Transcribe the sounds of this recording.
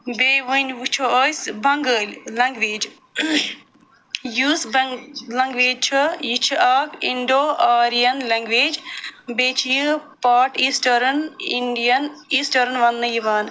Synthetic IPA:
beːʋunʋut͡ʃʰosbʱɐŋɡəːllɐŋɡʋeːd͡ʒ | juːsblɐŋɡʋeːd͡ʒt͡ʃʰɐjit͡ʃʰaːkiɳɖoːʔaːɾijɐnlɐ̃ŋɡʋeːd͡ʒbeːt͡ʃʰijipaːʈiːsʈɐɾniɳɖijɐniːsʈɐɾnʋɐnːɨjiʋaːn

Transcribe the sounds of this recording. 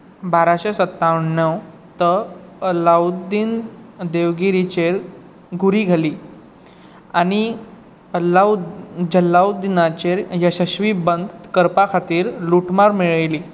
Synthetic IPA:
baɾaɕesət̪ːaʋəɳːəw | t̪əəlawd̪ind̪eʋɡiɾit͡ɕeɾ | ɡʱuɾiːɡʱaliː | añi | lad͡ʑəlːawd̪inat͡ɕeɾjəɕəɕʋiːbənd̪kəɾpakʰat̪iːɾluʈmaɾmeɭəjliː

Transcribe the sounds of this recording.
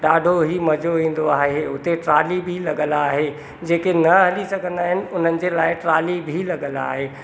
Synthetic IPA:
ɗaːɖʱoɦimɐd͡ʑoʋĩːn̆d̪oaːɦeʊt̪eʈɾaːlibʱilɐɠəlaːɦe | d͡ʑeːkenɐɦɐlisɐɡʱə̃nd̪aːɦɪnɪ̆ʊn̤ənɪ̆d͡ʑelaːɪʈɾaːlibʱilɐɠəla̰ːɦeː

